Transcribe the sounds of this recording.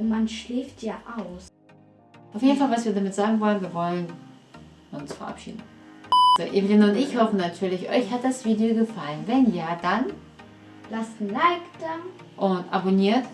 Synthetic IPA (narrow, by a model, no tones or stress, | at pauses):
manʃliːftjaːʔaʊs | ʔaʊfjeːdn̩falvasviːɐdamɪtz̥aːɡŋ̩vɔlənviːɐvɔlən | ʊnsfɛɐʔa̰pʃḭːdn̩z̥oːʔevlɪnʊntɪçhɔfənatʰyːɐlɪçʔɔʏçhat̚d̥asv̥iːdeoɡəfalənvɛnjaːdan | lastn̩laɪkd̥a | ʔʊntʔa̰boniːɐt